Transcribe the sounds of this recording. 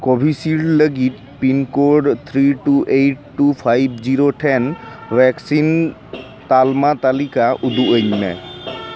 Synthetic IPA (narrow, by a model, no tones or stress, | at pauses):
kɔbʱisiɹləɡit̪ | pinkɔɖt̪ʰɹiʈuʔejʈːupʰajb̚ʱziɹoʈʰɛnwɛksin | t̪almat̪alikaʔud̪uʔəɲmɛ